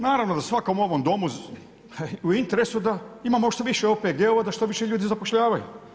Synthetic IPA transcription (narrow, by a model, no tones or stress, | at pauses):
naːɾaʋnod̪asʋako̞muo̞ʋo̞md̪o̞mu | uint̪e̞ɾe̞sud̪aimamoʃt̪oʋiʃeoːpeɡeoʋad̪aʃt̪o̞ʋiʃeʎuːd̪izapoʃʎaːʋajṵ